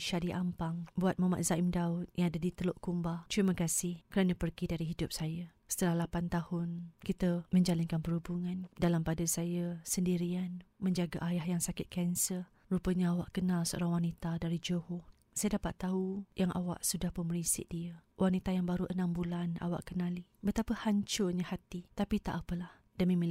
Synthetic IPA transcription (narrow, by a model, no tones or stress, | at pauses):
ʃadiʔampaŋbuat̪̚mama̰ʔ̪̚zaimdaʊt̪̚jaŋadadit̪əloʔkumbat̪ɾimakasɪhkəɾanãpərɡidaɾiɦidʊp̚sajasə̥t̪əlahlapant̪ahʊnkit̪əmə̃ɲd͡ʒalankanpərhubuŋãndalampadasajəsəndiɾianmə̃ɲd͡ʒaɡaʔajahjaŋsakɪt̪̚kɛnsər | rupəɲaawaʔkənalsəo̰ɾaŋwanit̪adaɾid͡ʒohʊ | sajədapat̪ːaɦujaŋʔa̰wa̰ʔsudahpəməɾisɪ̰ʔ̚diəwʔanit̪ajaŋbaɾuʔənãmbulana̰wa̰ʔkənalibət̪apəhaɲt͡ʃʊrɲahat̪it̪apit̪a̰ʔapəlah | dəmimi